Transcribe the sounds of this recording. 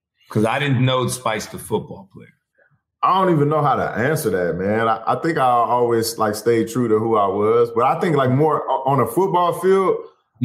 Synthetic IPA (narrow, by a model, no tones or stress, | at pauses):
kʰʌzaɪɾɪdⁿn̩noʊtspaɪstəfʊt̚b̥ɔlˠpʰl̥eɪ | aɪdõʊ̃ntivɨ̃nːoʊɦaʊɾə̰ʔæ̃nsə˞ðæt̚mæ̃naɪʔa̰ɪθɪ̃ŋkaɪɔlˠwiz̥laɪksteɪd̚tʰɹ̥ʉɾɨhuaɪwʌzbʌɾaɪθɪ̃ŋklaɪk̚mɔɹə̃nəfʊt̚b̥ɔlˠfilˠd̥̚